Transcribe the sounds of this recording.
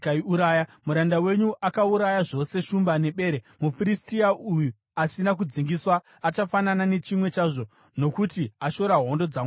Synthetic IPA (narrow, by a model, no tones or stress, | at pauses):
kaiuɾaːjamuɾandawe̞ɲuʔakauɾajaʐo̞se̞ʃumbane̞ɓe̞ːɾe | mufiɾistiauju | asinak̬ud͡ziŋɡiswaː | t͡ʃafananane̞t͡ʃimwe̞t͡ʃaːʐo̞ | no̞kutiaʃo̞ɾaɦo̞ndo̞d͡zaːm